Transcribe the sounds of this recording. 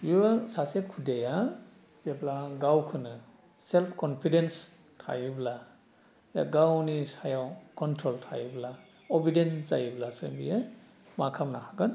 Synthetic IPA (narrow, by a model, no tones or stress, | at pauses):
jusasekʰudeja | zeblaɡawkʰɯnɯ | selpʰkɔnpʰidens | tʰa̰jubla | ja̰ɡawnisajawkɔntʰɾɔltʰa̰jubla | ɔbidenz̥a̰jiblasɯ̰mbḭje | makʰamnahaɡɯn